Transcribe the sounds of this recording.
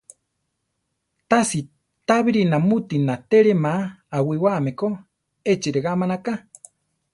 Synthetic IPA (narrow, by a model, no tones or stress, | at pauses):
t̪asi | t̪aβiɾinamut̪inat̪eɾemaawiwameko | et͡ʃiɾeɣamanaka